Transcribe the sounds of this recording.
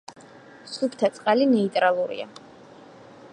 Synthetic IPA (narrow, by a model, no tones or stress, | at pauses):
supʰt̪ʰat̪sʼqʼalinɛit̪ʼɾalˠuɾḭa̰